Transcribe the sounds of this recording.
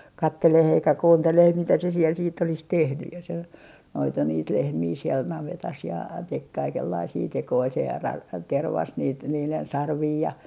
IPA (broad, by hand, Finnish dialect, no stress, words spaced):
kɑtːeleh eikæ kuːnteleh mitæ se siel siːtː olis tehny jɑ se noitu niːt lehmiː siɛl nɑʋetɑs jɑ tek kɑikelːɑisiː tekoi se rɑ terʋɑs niːt niːlen sɑrʋiː jɑ